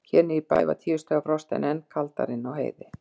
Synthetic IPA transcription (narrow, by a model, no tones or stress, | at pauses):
cʰɛːnɪipa̰jva̰t̪ʰiːʏst̪œːɣapɾɔst̪ɛ̰nɛnkʰalt̪a̰ɾɪnːawɦeːjðɪ